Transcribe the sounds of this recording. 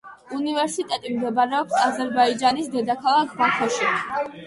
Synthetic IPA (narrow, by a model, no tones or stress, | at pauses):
univɛɾsit̪ʼɛt̪ʼimd̪ɛbaɾɛɔpsazɛɾbaid͡ʒanisd̪ɛd̪akʰalˠakʰbakʰɔʃi